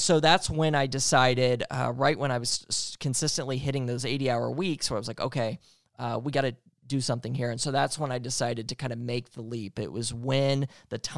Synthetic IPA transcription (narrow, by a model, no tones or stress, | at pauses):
soʊðætswɨ̃naɪdɨsaɪɾɪdʌ̰ɹaɪʔ̚wə̃ɾ̃aɪwʌz̥kʰɨ̃nsɪstɨ̃nʔliɦɪɾɪ̃ŋðoʊzeɪɾiaʊə̰˞wiksoʊaɪʌzlaɪko̰ʊkʰeɪ | ʌwiɡɑɾɨ | dɨsʌ̃mθɪ̃ŋɦiɹɨ̃nsoʊðætswə̃naɪdɨsaɪɾɨd̚tʰɨkʰãɪ̃ndɨmeɪk̚ðəlipɪ̰ʔwʌzwɨ̃nðɨtʰ